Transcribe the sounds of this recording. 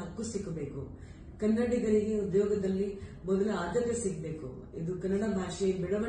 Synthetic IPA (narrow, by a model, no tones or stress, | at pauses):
ɦɐkːusiɡɐbe̞ːku | kɐnːɐɽiɡɐɾiɡeud̪jɔːɡɐd̪ɐlːimɔd̪ɐlɐaːd̪ɐt̪ːɐsiɡɐbeːkṵid̪ukɐnːɐɽɐbʱaːʂɐjimbɛɽɐʋɐ